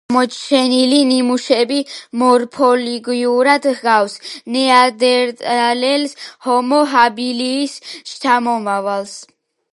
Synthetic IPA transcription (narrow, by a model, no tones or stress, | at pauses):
mɔt͡ʃʰɛnilinimuʃɛbimɔɾpʰɔliɡjuɾad̪hɡawsnɛad̪ɛɾt̪ʼalɛlshɔmɔɦabiliːst͡ʃʰamɔmavals